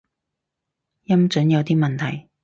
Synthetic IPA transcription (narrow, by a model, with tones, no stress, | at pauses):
jɐ˥mt͡ʃɵ˨˥njɐ˨˧wt̪iː˥mɐ˨nt̪ʰɐ˨˩j